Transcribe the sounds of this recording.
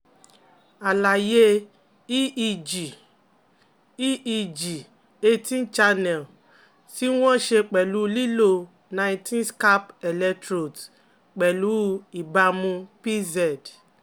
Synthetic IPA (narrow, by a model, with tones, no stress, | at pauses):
a˨la˨je˦ | d͡ʒi˨ | i˦i˧d͡ʒi˨ | e˦tĩ˦n˦t͡ʃa˧nɛ˨l | si˦wɔ̃˦ʃe˧k͡pɛ˨lu˨˦li˦lo˧ | nã˧˨˦tĩ˦nska˦pɛ˨lɛ˦˧tɾo˨t | k͡pɛ˨lu˨˦i˨ba˧mũ˧pi˦zɛ˨d